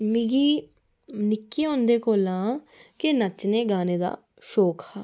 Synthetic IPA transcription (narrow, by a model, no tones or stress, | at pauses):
mɪɡiː | nɪkːiːɦõːnd̪eːkoːlãː | kɪnət͡ʃneːɡaːneːd̪a̰ː | ʃoːkaː